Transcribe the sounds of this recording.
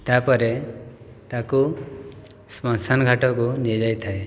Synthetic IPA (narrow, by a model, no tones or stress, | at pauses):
t̪apɔɾe | t̪aku | smɔnsanɡʱaʈɔkunid͡ʒajt̪ʰae